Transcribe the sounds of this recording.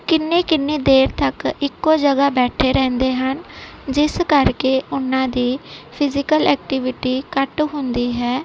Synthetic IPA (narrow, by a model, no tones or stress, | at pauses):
kɪnːeːkɪnːeːd̪eːɾt̪əkɪkːoːd͡ʒəɡaːbɛːʈʰeːɾɛ̃ːnd̪eːɦən | d͡ʒɪskəɾkeːʔʊnːãːd̪iːpʰɪzɪkəlɛːk̚ʈɪʋɪʈiːkəʈɦʊnd̪iːɦɛː